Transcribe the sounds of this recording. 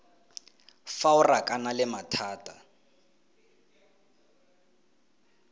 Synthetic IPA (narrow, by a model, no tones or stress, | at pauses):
faʊrakʼanalɪmatʰaːtʼa